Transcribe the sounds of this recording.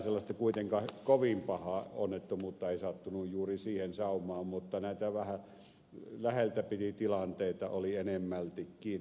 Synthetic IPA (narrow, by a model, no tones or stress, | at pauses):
selːɑst̪ɑkuit̪eŋkɑhkoʋimpɑhɑonːet̪ːumut̪ːɑeˑisɑt̪ːunujjuːrisiːhensɑˑumˑɑːmmut̪ːɑnæˑit̪æʋæhæ | læhelt̪æpit̪it̪ilɑnt̪eˑit̪ɑ̰olienemːælt̪ikkiː